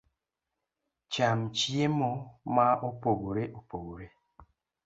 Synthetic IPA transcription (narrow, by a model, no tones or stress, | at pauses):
t͡ʃamt͡ʃiemɔmaopoɡoɾeʔopoɡoɾe